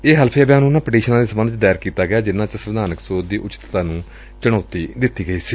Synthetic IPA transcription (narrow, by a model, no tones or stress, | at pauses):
eːɦəlpʰeːəbeanuːnãːpəɖiːʃənãːleːsəmənt͡ʃd̪ɛːɾkiːt̪aːɡəaːd͡ʒɪnːãːt͡ʃəsəʋɪd̪aːnəksoːd̪iːʔʊt͡ʃɪ̥t̪t̪aːnũː | t͡ʃəɽ̃ɔːt̪iːd̪ɪt̪ːiːɡəiːsiː